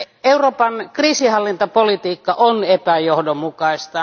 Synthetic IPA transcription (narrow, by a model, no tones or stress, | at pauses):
euroːpɑnkriːsihɑlːint̪opolit̪iːkːɑʔonepæjohdomukɑist̪ɑ